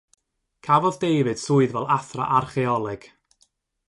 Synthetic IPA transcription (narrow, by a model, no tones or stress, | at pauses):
kʰavɔðdejvɨd̥sʊːɨðvɛlˠaθra̰ʔarχɛɔlˠɨɡ̥